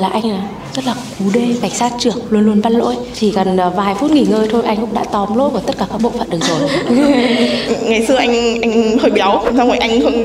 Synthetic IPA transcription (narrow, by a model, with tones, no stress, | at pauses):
laː˨˩ʔa˧jŋ̟ʔaː˨˩ | zə˦˥t̚laː˨˩ku˨˦ɗe˧ka˧˩jŋ̟saː˦˥t̚t͡ɕɨ˧˩ək̚lu˧ənlu˧ənɓa˧nlo̰˧˥əjt̪ʰi˨˩kə˨˩nː˨˩vaː˨˩jfu˦˥t̚ŋi˨˩ŋəː˧jt̪ʰo˧jʔa˧jŋ̟kʊ̰˧˥ŋ͡mɗa̰ː˧˥t̪ɔ˨˦mlo̰˧˥kt̪ə˦˥t̚kaː˧˩kaː˧˥k̚ɓo̰˧˨fə̰˧˨nɗk̚zo˨˩j | ŋa˨˩jsɨ˧əʔa˧jŋ̟ʔa˧jŋ̟ʰəː˨˩ɓi˨˩˨wŋ͡msa˧wmaː˨˩jʔa˧jŋ̟fə̰˧˨n